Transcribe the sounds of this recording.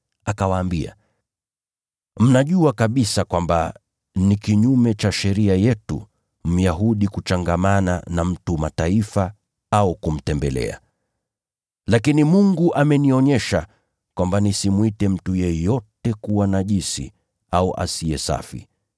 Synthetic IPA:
akawaːmbia̰ | m̩naʄuakaɓisakwamba̰ | nikiɲumɛt͡ʃaʃɛɾiajɛtṵ | m̩jaɦuɗikut͡ʃaŋɡamana̰nam̩tumataifa | aukum̩tɛmbɛlɛ̰a̰ | lakinimuŋɡuʔamɛniɔɲɛʃa | kwambanisimwitɛm̩tujɛjɔtɛkuwanaʄisḭ | auʔa̰siɛsa̰fḭ

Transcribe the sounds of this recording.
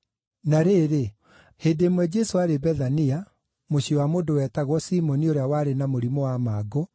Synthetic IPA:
naɾeːɾe | heːdeːmwɛd͡ʑɛsoaɾebɛðania | moɕiɔwamoːndowɛtaɣwɔsiːmɔnioɾeawaɾenamoɾimɔwamaːɡo

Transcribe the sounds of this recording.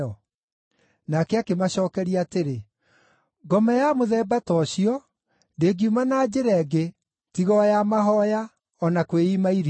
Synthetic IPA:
ɔ | nakɛakemaɕɔːkɛɾiateɾe | ɡɔmajamoðɛːbatɔɕiɔ | ndeːɡiumanad͡ʑeɾɛɡe | tiɣɔjamaɦɔja | ɔnakweimaiɾ

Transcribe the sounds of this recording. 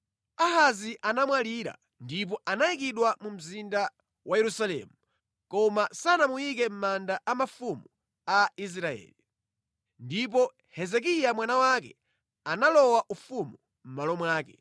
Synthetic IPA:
aɦaziʔanamwaliɾa̰ | ndip̬ɔʔanaikiɗwamum̩zinda | wajɛɾusalɛ̰mu | kɔmasanamujikɛm̩mandaʔamafumu | ais̬ɾaɛ̰ːli | ndip̬ɔ | hɛzɛk̬ijamwanawakɛ̰ | analɔwaʔufumu | m̩malɔmwaːkɛ

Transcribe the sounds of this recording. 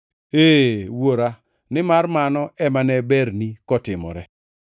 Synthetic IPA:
eːwoɾa | nɪmarmanɔʔɛmanɛbɛɾnikɔtɪmɔ̰ɾɛ

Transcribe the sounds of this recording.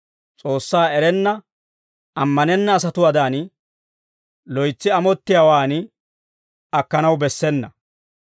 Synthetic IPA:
t͡sʼo̞ːsːaːɛɾɛnːɐ | ɐmːɐnɛnːɐːs̬ɐt̪ʊwɐd̪aːn | lɔjt͡sːɪɐmɔt̪ːɪjawaːn | ɐkːɐnɐwbɛsːɛnːɐ

